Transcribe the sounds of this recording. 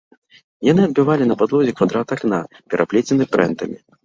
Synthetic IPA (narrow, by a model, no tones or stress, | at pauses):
janɨɐd̪̚bʲɨvalʲinɐpad̪lˠɔzʲɛkvad̪ɾat̪akna | pʲɛɾʔaplʲɛt͡sʲɛnɨpɾɛ̰nt̪ɐmʲi